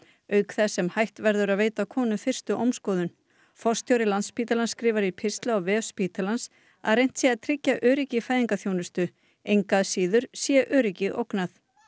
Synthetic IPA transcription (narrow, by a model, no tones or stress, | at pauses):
œːɥkθɛsːɛmhajht̪vɛɾðʏɾaðveːjt̪akʰɔːnʏfɪr̥st̪ʏʔowmskɔːðʏn | fɔrst̪ʰjowɾɪlanspiːt̪alanskɾiːvaɾipʰɪst̪laɔvɛːfspiːt̪alans | a̰ðrejn̥t̪sjɛaðt̪ʰɾɪcːaʔœːɾɪcɪfajðiŋkaθjownʏst̪ʏ | ejŋkaðsiːðʏɾ̥sjɛʔœːɾɪcɪʔo̰wknaθ